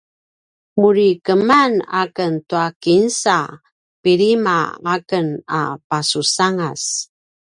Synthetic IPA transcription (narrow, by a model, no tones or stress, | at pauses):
muɾikəmana̰kəntuakinsa | piɾimaakəna̰pasusaŋas